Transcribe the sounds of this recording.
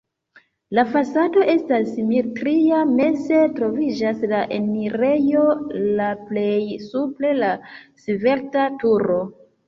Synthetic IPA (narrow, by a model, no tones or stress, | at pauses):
lafasado̞ʔe̞stasimetɾiamese̞tɾo̞vid͡ʒaslaʔeniɾe̞jo̞laple̞jsuple̞lasive̞ɾtatuɾo̞